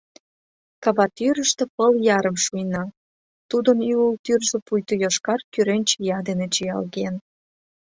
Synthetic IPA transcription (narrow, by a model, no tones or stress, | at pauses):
kɑβɑt̪yɾəʃt̪ĕpəljɑɾəmʃujnɑ | t̪ud̪ənyult̪yrʒĕpujt̪ŏjoʃkɑrkyɾenʲt͡ɕjɑd̪enet͡ɕijɑ̰lɣen